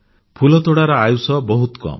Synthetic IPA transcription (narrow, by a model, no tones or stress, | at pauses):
pʰulɔt̪oɽaɾɔajusɔbɔɦut̪kɔ̰m